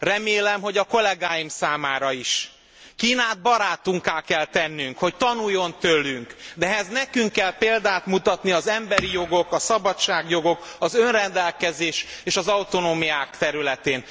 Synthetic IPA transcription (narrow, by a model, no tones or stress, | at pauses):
rɛmeːlɛmɦo̞ɟɒko̞lɛɡaːjimsaːmaːɾɒiʃ | kiːnaːd̪̚bɒɾaːt̪uŋkaːlkɛlt̪ɛnːyŋkho̞ct̪ɒnujːo̞nt̪ølːyŋkd̪ɛɦɛznɛkyŋkːɛlpeːld̪aːt̪mut̪ɒt̪niɒzɛmbɛɾijo̞ɡo̞kɒsɒbɒt͡ʃːaːɡjo̞ɡo̞kɒzønrɛnd̪ɛlkɛzeːʃeːʃɒzɒwt̪o̞noːmijaːkt̪ɛɾylɛt̪eːn